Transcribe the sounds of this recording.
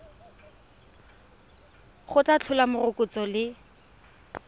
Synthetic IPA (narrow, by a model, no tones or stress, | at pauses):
χʊtʼat͡ɬʰʊlamʊrʊkʼʊt͡sɔlɪ